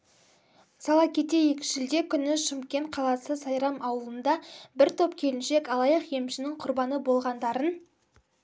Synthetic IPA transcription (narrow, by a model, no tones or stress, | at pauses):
sɑlˠɑkʲʰe̞t̪e̞je̞kʲɪ̥ʃʒɪld̪e̞kʲʰʏnɪʃɪmkʲe̞nt̪̚qʰɑlˠɑsəsɑjɾɑmʔɑwəlˠənd̪ɑbɪɾt̪ʰo̞pkʲʰe̞lɪnʃe̞kɑlˠɑjɑqje̞mʃɪnɪŋqʰʊɾbɑnəbo̞lˠʁɑnd̪ɑɾən